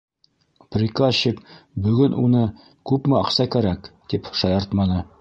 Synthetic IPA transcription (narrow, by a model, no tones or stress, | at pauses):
prʲikaɕikbɵ̆ɡɵnʔunɤ | kʉpmɘɑqsɑkæɾækt̪ipʃɑjɑɾt̪mɑnɤ